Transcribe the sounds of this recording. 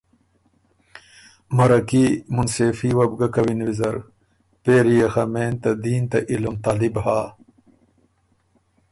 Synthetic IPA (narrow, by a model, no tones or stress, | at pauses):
mɐɾɐkimunseːfiːwɐbɡɐkɐwinwizɐɾ | peːɾijɐxɐmeːnt̪ɐd̪iːnt̪ɐʔilumt̪aːlibhaː